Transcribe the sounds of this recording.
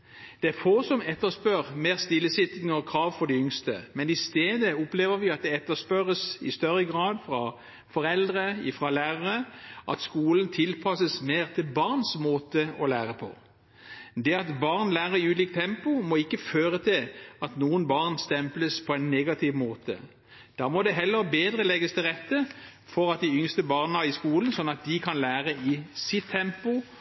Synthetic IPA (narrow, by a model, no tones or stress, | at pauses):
d̪̥ɛæɾfoːsɔmɛt̪ːəspøːʁmeːʁst̪ɪlːəsɪt̪ɪŋɔkʰɾɑːʋfɔʁd̪ɪʏŋst̪ə̰mɛnɪst̪eːd̪əʊpleːʋəʁʋɪɑt̪̚d̪ɛɛt̪ːəspœʁəsɪ̰st̪œʁːəɡʁɑːd̪fɾʁɑ | fɔʁɛld̪ʁəɪfʁɑlæːʁəʁəʔɑt̪skuːlənt̪ʰɪlpʰɑsəsmeːʁt̪ʰɪlbɑʁnsmoːt̪əɔlæːʁəpʰɔ̰ | d̪ɛɑt̪bɑʁnlæːʁəʁɪʉːliːk̚t̪ʰːɛmpʊmɔɪkːəføːʁət̪ʰɪlɑt̪nuːənbɑːʁnst̪ɛmpləspʰɔɛɪnːeɡɑt̪ʰɪʋmoːt̪ə̰ | d̪̥ɑːmɔd̪ɛɦɛlːəʁbeːd̪ʁəlɛɡəst̪ɪlʁɛt̪ːəfɔʁɑt̪̚d̪ɪʏŋst̪əbɑʁnəɑɪskuːlnsɔnːɑt̪̚d̪ɪkʰɑnlæːʁəɪsɪt̪ʰːɛmpʊ